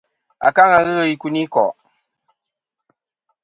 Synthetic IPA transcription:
a̰˨ka˦ŋa˨ɣə˦ɣə˦ji˦ku˦ni˦kɔ˨

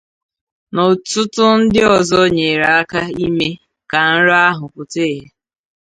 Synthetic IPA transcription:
nɔ˨tʊ˦tʊ˦n̩˦dɪ˦ɔ˨zɔ˦ɲe˨ɾa˨a˦ka˦i˦me˦ | ka˨n̩˦ɾa˦ɦʊ˨kʊ˨te˦˨ɦe˨

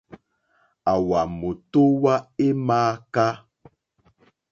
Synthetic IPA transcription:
a˨wa˨mo˨to˦wa˦e˦maː˦ka˦

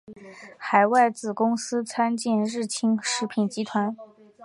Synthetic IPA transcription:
xa˨˩ɪwa˥˩ɪt͡sɹ̩˨˩kʊ˥ŋsɹ̩˥t͡sʰa˥nt͡ɕi˥˧nɻɻ̩˥˩t͡ɕʰi˥ŋʂɻ̩˧˥pʰi˨˩nt͡ɕi˧˥t̪ʰwa˧˥n

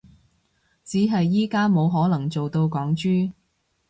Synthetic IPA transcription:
t͡siː˨˥ɦɐ˨jːiː˥kaː˥mo˨˧wɦɔː˨˥lɐ˨˩ŋt͡so˨wt̪o˧wkɔː˨˥ŋt͡ʃyː˥

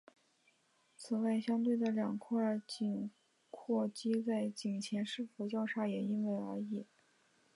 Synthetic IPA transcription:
t͡sʰɹ̩˨˩wa˥˩ɪɕjɑ˥ŋt̪̬we˥˩ɪd̪ə˩ljɑ˨˩ŋkʰɔ˥˧˥t͡ɕi˨˩n | kʰwɔ˥˩t͡ɕi˥t͡sa˥˩ɪt͡ɕi˨˩ŋt͡ɕʰjɛ˧˥nʂɻ̩˥˩fu˧˥t͡ɕjɑ˥˧ʊʈ͡ʂʰa˥jɛ˨˩i˥nwe˥˩ɪə̰˞˧˥i˥˩˦

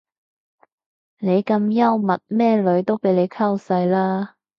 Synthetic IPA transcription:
ne˨˧jkɐ˧mjɐ˥wmɐ˨t̚mɛː˥˩lɵ˨˥ɥt̪o˥wpe˨˥jle˨˧jkʰɐ˥wsɐ˧jlaː˥

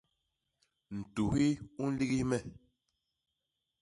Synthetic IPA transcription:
n̩˨tu˨hi˦u˦n̩˦li˦ɣi˦mɛ˦˨

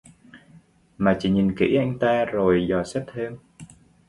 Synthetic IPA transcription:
maː˨˩t͡ɕḭ˧˨˦ɲi˨˩nkḭ˧˥ʔa˧jŋ̟t̪aː˧zo˨˩jzɔ˨˩sɛ˦˥p̚t̪ʰeː˧m

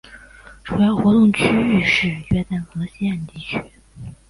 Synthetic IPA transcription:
ʈ͡ʂʰu˨˧˩ja˧˩xwɔ˧˥t̪ʊ˥˩ŋt͡ɕʰy˥y˥˧ʂɻ̩˥˩t͡ɕɥɛ˥˧t̪a˥˩nxɤ˧˥ɕjɛ˥˧nt̪i˥˩t͡ɕʰy˥

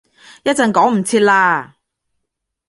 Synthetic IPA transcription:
jɐ˥t̚t͡sɐ˨˧nkɔː˨˥ŋm̩˨˩t͡sʰiː˧t̚laː˧

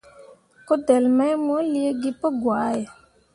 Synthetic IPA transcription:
ko˦dɛ˨lmɛ˦jmə˦li˦ə˦ɡi˦pə˦ɡwa˨˦jɛ˨

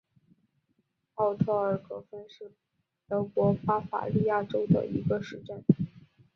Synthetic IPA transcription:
ɑ˥˧ʊt̪ʰɤ˥˩ə˞˨˩kʰɤ˥fə˥nʂɻ̩˥˩ | t̪ɤ˧˥ʊkwɔ˧˥fa˥fa̰˨˩li˥˧ja˥˩ʈ͡ʂo˥ʊd̪ə̰˨ḭ˧˥ɡə˧ʂɻ̩˧˥ʈ͡ʂə˥˩n

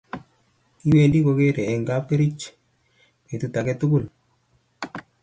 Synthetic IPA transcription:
ki˦we˨ndi˦ko˧ke˦ɾɛ˨ɛ˨ŋɡa˦pe˦ɾi˦t͡ʃ | me˨tu˧ta˨kɛ˦tʊ˦kʊ˦l

